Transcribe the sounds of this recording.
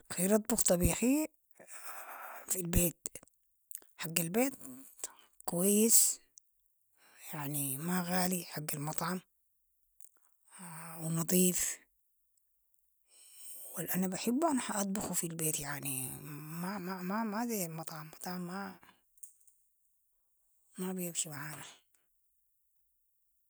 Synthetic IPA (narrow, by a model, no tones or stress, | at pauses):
xiɾɑt̪ˤbʊxt̪ˤɑbiːxi | filbeːt̪ | ħaɡːalbeːt̪ | kʊwajːɪs | jaʕnimaɣaːliħaɡːalmɑt̪ˤʕɑm | wnɑd̪ˤiːf | wɪlʔanabaħɪbːʔanħaʔɑt̪ˤbɑxufilbeːt̪jaʕnimamamamazelmɑt̪ˤʕɑmːɑt̪ˤʕɑmːa | mabjamʃimaʕaːna